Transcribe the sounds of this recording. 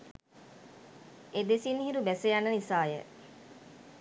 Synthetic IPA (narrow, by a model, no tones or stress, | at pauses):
ed̪esinhiɾubɛsəjanːənisaːjə̰